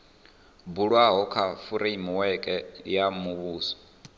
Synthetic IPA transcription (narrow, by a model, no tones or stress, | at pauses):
buɺwaɦɔkʰafuɾeimuwɛkʼɛjamuβuːsɔ̥